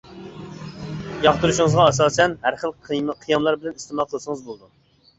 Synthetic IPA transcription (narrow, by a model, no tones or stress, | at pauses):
jɑχt̪uɾuʃɪŋəzʁɑɑsɑːsɛnhæɾχəlˠqʰqʰijɑmlˠɑɾbɪlɛnist̪ɪmɑlˠqʰəlˠɨsəŋəzbolˠd̪u